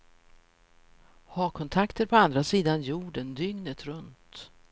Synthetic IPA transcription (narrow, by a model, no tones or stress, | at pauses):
hɑːkʰɔnt̪ʰakt̪əɾpʰɔand̪ɾasiːd̪anjuːɖənd̪ʏŋnət̪ɾɵnt̪